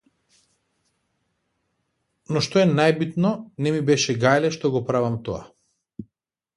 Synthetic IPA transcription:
nɔʃt̪oɛnajbit̪nɔnɛmibɛʃɛɡajlɛʃt̪ɔɡɔpɾavamt̪ɔa̰

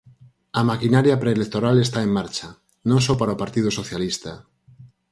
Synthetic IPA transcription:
amakinaɾjapɾeːlek̚t̪oɾalest̪aemːaɾt͡ʃa | nõŋsopaɾaopaɾt̪ið̞osoθjalist̪a

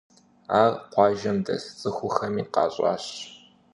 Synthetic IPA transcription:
aːrqʷɑːʒɐmdɐ̰st͡sʼɨxʷʊxɐmiːqɑ̰ːɕʼɑ̰ːɕ

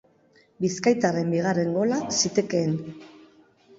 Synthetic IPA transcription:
biskajt̪are̞mbiɣare̞ŋɡo̞lasit̪e̞keːn

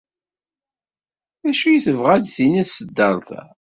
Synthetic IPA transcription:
æʃujiθəvʁæd̪θiniθsəd̪ːəɾt̪

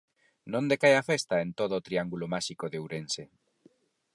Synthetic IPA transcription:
nõnd̪ekajafest̪aent̪oðoːt̪ɾiaŋɡulomaʃikoðewɾense

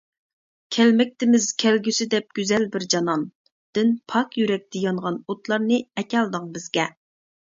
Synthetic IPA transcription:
kʲʰɛlmɛk̚ʲt̪ɪmɪz̥kʲʰɛlɡʲysɪd̪ɛp̚ɡ̥ʲyzɛlbɪɾd͡ʒɑnɑn | d̪̥ɪnpʰɑkjyɾɛk̚ʲt̪ʰɪjɑŋʁɑnot̪lˠɑɾnɨɛkʲɛlˠd̪əŋbɪzɡʲɛ

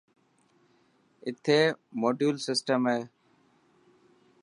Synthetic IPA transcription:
ɪt̪ʰeːmoːɖjuːlsɪsʈəmɦeː

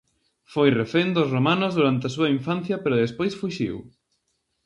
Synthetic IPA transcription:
fojrefend̪osromanʊzðuɾant̪eɐs̬uɐiɱfanθjɐpeɾʊðespojsfuʃḭw

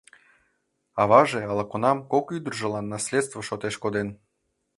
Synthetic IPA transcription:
ɑβɑʒeɑlˠɑkonɑmkokyd̪ərʒɤ̆lˠɑnːɑsʲlʲet̪st̪vəʃot̪eʃkod̪en

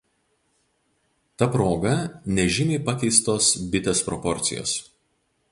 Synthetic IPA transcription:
t̪ɐpɾoːɡɐnʲɛʒʲɪmʲɛɪpɐkʲɛɪst̪oːsbʲɪt̪ʲespɾɔ̰pɔɾʲt̪sʲɪjo̰ːs

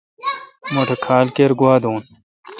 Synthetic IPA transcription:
moʈʰɐkʰaːlkeːɾɡuaːd̪oːn

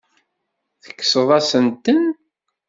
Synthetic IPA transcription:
θə̥kːsəðˤɑsənt̪ən

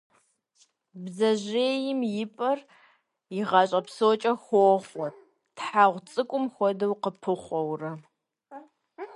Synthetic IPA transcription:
bzɐʑeːjɪmjɪpʼɐr | jɪʁɑɕʼɐpsot͡ʃʼɐxʷoχʷɔ | tħaːʁʷt͡sʼɨkʷʼʊmxʷɔdɐwqəpʰɨχʷɔwrɐ

